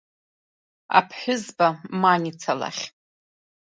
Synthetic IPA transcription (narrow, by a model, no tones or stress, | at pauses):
a̰pʰħʷᶣʊzbamanit͡sʰala̰χʲ